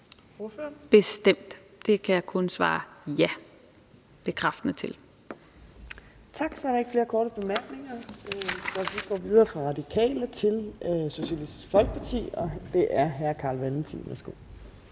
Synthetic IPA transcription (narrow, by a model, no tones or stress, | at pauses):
b̥e̝sd̥em̰d̥ | d̥e̝kʰæjɑ̈ɪkʰɔ̽nsʋɑ̰̈ːjæ | b̥e̝kʰʁɑfd̥ənət͡sʰe̝l | t͡sʰɑ̈ɡ̥sɒæɐɾɑ̈e̝ɡ̥fle̝ːɐkʰɒːɾəb̥e̝mæɐɡ̥ne̝ŋɐ | sɒ̽ʋiɡ̥ɒ̰ːʋið̞ˠɐːfʁɑ̈ʁɑ̈d̥ikʰɛ̰ːlət͡sʰe̝lso̝ɕælisd̥i̥sɡ̥fɒ̽lɡ̥əpʰɑ̈t͡sʰḭːɒ̽d̥e̝ʔæɐɦæɐkʰɑ̈ːlʋeln̩t͡sʰḭʋæsɡ̥o̝̰ː